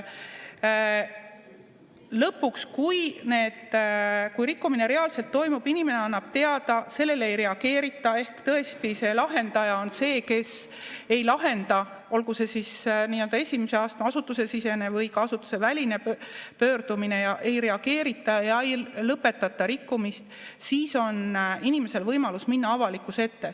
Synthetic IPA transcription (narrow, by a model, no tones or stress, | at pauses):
lɤpːukskujne̞ːd̪̥kujɾikːumine̞ɾe̞ɑlse̞lt̪ːo̞jmub̥inime̞ne̞ɑnːɑb̥̚t̪e̞ɑd̪̥ɑse̞lːe̞leejɾe̞ɑɡ̥e̞ːɾit̪ːˑɑe̞hkt̪ɤe̞st̪ise̞lɑɦe̞nd̪ɑjɑo̞nse̞ːke̞s | e̞jlɑɦe̞nd̪ɑ | o̞lɡuse̞sisniːø̞ld̪ɑe̞sʲimese̞ɑːst̪ɑɑsut̪ːˑusesise̞ne̞vɤjkɑɑsut̪ːˑu̥se̞vælʲine̞pø̞ːɾd̪umine̞jɑʔe̞jɾe̞ɑɡ̥e̞ːɾit̪ːˑɑjɑejlɤpːe̞t̪ːˑɑt̪ːˑɑɾikːumist̪ | siːso̞ninime̞se̞lvɤjmɑlusminːɑɑvɑlikːˑuse̞t̪ːe̞